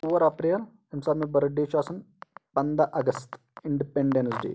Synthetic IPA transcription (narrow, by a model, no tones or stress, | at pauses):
uʋɐɾɐpɾiːl | ɐmsaːbmẽbɐɾɐɖiːt͡ʃaːsɐn | pɐnd̪ɐʔɐɡəst̪ | ɪɳɖipeɳɖensɖḛː